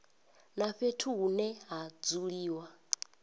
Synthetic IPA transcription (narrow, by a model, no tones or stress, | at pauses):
naɸetʰunɛɦad͡zuɺiːwa